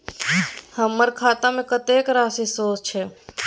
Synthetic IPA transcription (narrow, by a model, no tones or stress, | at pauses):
həmːəɾkʰaːt̪amẽkət̪eːkɾaːsisoːt͡ʃʰe